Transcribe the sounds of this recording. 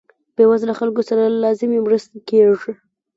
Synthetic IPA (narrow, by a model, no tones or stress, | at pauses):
b̥ewazlaxalkosaɾalɑzɪmemɾəst̪akeʐi